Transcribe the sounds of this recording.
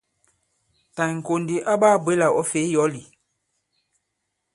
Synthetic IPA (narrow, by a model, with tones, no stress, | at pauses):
ta˨ŋ̩˨ko˨ndi˨ʔa˦baː˦˨bwe˦la˨ʔɔ˦fe˨˦jɔ˨˦li˨